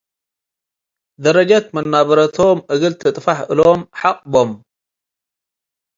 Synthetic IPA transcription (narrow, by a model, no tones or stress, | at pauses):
d̪ɐɾɐd͡ʒat̪mɐnːaβɐɾɐt̪ʰo̞mʔɨɣɨlt̪ʰɐt̪ʼfaħʔɨlomħaqʼbom